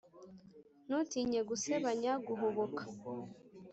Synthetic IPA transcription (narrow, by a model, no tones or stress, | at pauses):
nutiːɲeɡuseβaɲaɡuɦoβokḁ